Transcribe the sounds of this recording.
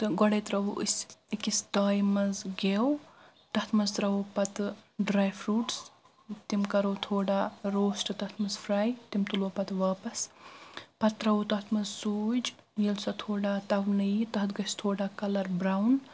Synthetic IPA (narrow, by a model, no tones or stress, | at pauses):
t̪ɨɡɔɽɐt̪ɾɐʋʔisikisd̪aːjmɐzɡew | t̪ɐt̪ʰmɐzt̪ɾɐʋoːpɐt̪ɖɾaːjfʰɾuːʈs | t̪imkɐɾowt̪ʰoːɽaːɾoːsʈɨt̪ɐt̪ʰmɐzpʰɾaːjt̪imt̪uloːpɐt̪ʋaːpɐs | pɐt̪ːɾɐwot̪ɐɦt̪ʰmɐzsuːd͡ʒ | jelsɐt̪ʰoːɽaːt̪ɐʋnɨjit̪ɐɦt̪ɡɐst̪ʰoːɽaːkɐlɐɾbɾawn